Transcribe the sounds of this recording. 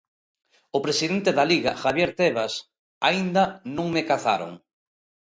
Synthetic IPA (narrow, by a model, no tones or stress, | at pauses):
opɾesiðent̪eðaliɣa̰xaβjeɾt̪eβas | aind̪ɐnũŋmekaθa̰ɾo̰ŋ